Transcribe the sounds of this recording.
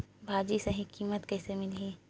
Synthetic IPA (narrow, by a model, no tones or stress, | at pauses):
bʱaːd͡ʒisɐɦĩkiːmət̪kɛːsemɪli